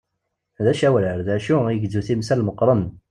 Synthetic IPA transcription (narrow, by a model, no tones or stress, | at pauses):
ðæʃæwləɾðæʃuiʝzuθimsælməqːɾˤən